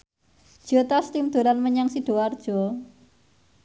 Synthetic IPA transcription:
d̥ʒ̥ɔt̪ast̪imd̪̥ṳɾanməɲaŋsiɖ̥o̤ward̥ʒ̥ɔ

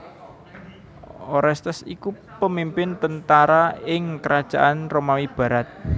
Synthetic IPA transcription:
ʔɔɾɛst̪əsiku | pəmimpɪnt̪ənt̪aɾaɪŋkəɾad̥ʒ̥a̤ʔanromawib̥ä̤ɾat̪̚

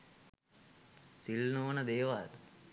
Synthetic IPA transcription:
silnoːnəd̪eːʋaːt̪

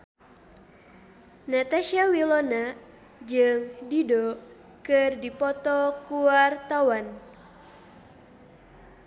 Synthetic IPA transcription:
nat̪aʃiawilɔna | d͡ʒɨŋdidɔ | kɨrdipɔt̪ɔkuart̪awan

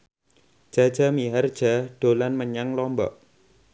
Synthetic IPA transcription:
d̥ʒ̥a̤̥ʒ̥a̤miɦard̥ʒ̥aɖ̥o̤lanməɲaŋlɔmbɔ̰ʔ

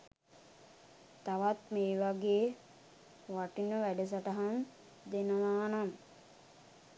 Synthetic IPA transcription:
t̪aʋat̪meːʋaɡeː | ʋaʈinəʋæɖəs̬aʈaɦan | d̪enəʋaːnan

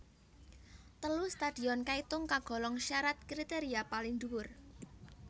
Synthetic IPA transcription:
t̪əlust̪ad̪̥i̤ɔnkait̪ʊŋkaɡ̥ɔ̤lɔŋʃaɾat̪̚kɾit̪eɾiapaliŋd̪uwʊr

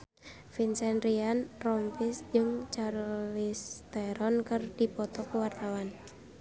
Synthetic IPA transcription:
finsɛnrianrɔmpɪsd͡ʒɨŋt͡ʃarlist̪ɛɾɔnkərdipɔt̪ɔkəwart̪awan

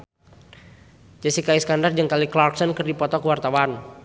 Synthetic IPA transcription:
d͡ʒasikaisə̥kandard͡ʒɨŋkaliklarksɔnkərdipɔt̪ɔkəwart̪awan

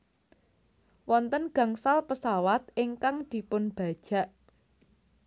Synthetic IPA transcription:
wɔnt̪ənɡ̥ä̤ŋsalpəsawat̪̚ʔɪŋkaŋd̪̥i̤pʊnb̥a̤d̥ʒ̥ä̤ʔ

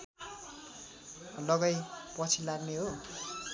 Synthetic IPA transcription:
lʌɡajpʌt͡sʰilaɡneɦo

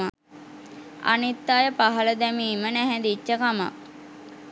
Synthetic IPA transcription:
a | a̰nit̪ːaːjəpaɦələd̪ɛmiːmənæɦɛd̪it͡ʃːəkama̰

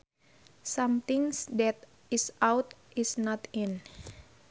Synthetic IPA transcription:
samt̪iŋsdɛt̪̚ | isawt̪isnɔt̪in

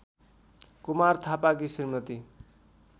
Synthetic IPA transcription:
kumart̪ʰapak̬isirmʌt̪i

